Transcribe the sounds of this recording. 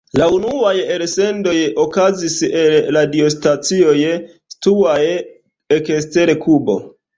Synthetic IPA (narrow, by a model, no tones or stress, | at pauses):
launuajelsendo̞jokaziselladiostat͡sio̞j | stuaj | ekeste̞ɾekʰubo̞̰